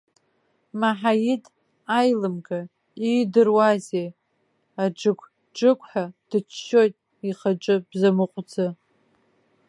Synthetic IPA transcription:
maħajitʼ | ajlɨmɡa | idɨrwazej | ad͡ʒɨkʷʰ | d͡ʒɨkʷʰʼħad̥ɨt͡ʃʰʃo̞jtʼ | iχat͡ʃʼɨb̥zamɨqʷʼd͡zɨ

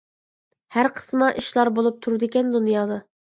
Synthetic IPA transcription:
hæɾqʰə̥smɑʔiʃlˠɑɾbolˠup̚t̪ʰuɾɨd̪ɪkʲɛnd̪unjɑːd̪ɑ

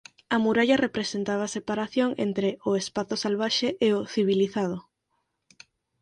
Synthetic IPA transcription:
ɐmuɾaʎɐrepɾesent̪aβasepaɾaθjoŋḛnt̪ɾeʊespaθʊsalβaʃeʔeʊθiβ̞iliθað̞ʊ

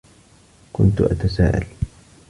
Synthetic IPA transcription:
kʊnt̪ʊʔa̰t̪asa̰ːʔa̰l

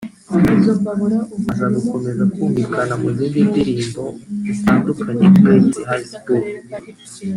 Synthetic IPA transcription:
azaɡukʰo̞me̞zakuːɱvikʰanamuziːndibɟiɾiːmbo̞βitaːndukʰaɲeetiɦaɾisɡo

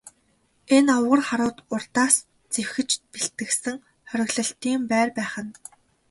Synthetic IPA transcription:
enawʁə̆rχaɾʊːt̪ʊrt̪aːs | t͡sewxɘ̆t͡ɕpiɬt̪ɘ̆ksɘ̆ŋ | χœɾʲɪ̆ɣɮɞ̆ɬt̪iːmpæːrpæːχə̆n

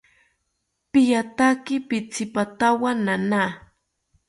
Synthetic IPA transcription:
pɪjat̪akɪpɪt͡sɪpat̪awanana

